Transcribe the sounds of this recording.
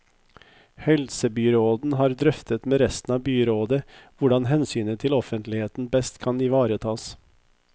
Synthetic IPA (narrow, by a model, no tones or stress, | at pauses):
hɛlsəbyːɾoːd̪n̩ɦɑːɾd̪ɾœft̪ət̪meːɾɛst̪n̩ɑːbyːɾoːd̪əʋʊɖɑnɦɛnsyːnət̪ʰɪlɔfənt̪lɪheːt̪n̩bɛst̪kʰɑniʋɑːɾət̪ʰɑːs